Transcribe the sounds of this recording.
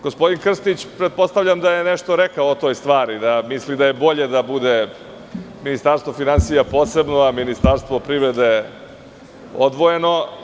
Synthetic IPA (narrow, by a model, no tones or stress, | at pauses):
ɡ̥ospo̞d̪inkr̩st̪it͡ɕpɾet̪̚post̪avʎʲamd̪ajeneʂt̪o̞ɾekaoːt̪o̞ːjst̪ʋaːɾid̪amislid̪aje̞bo̞ʎe̞d̪abud̪e̞ | minist̪aɾst̪ʋo̞finansijapo̞ːse̞bnoaminist̪aɾst̪ʋopɾivɾed̪e̞ | o̰d̪ʋo̞je̞no̞